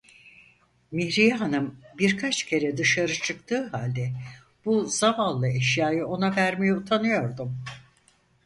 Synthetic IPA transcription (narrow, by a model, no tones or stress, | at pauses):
mihɾijanɯmbiɾkʰat͡ʃcʰe̞ɾɛd̪ɯʃaɾɯt͡ʃʰɯkt̪ʰɯːɦalʲd̪ɛ | b̥uzavalˠːɯɛʃjaːjɯo̞navæɾme̞jɛut̪ʰanɯjo̞ɾd̪um